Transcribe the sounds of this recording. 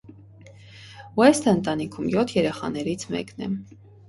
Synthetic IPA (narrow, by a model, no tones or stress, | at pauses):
wɛst̪ʰənt̪ɑnikʰumjɔt̪ʰjɛɾɛχɑ̰nɛɾit͡sʰmɛ̰knɛ̰